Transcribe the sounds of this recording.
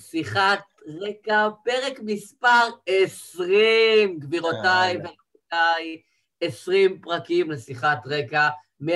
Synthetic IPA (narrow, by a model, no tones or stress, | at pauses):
siχat | ʁekape̞ʁe̞kmispaʁesʁimɡviʁotajve | otaj | esʁimpʁakimlesiχatʁeka | me